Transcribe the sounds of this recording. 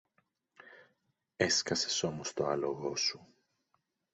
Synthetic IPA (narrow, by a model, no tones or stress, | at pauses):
e̞skɐse̞so̞mo̞st̪o̞ɐloɣo̞su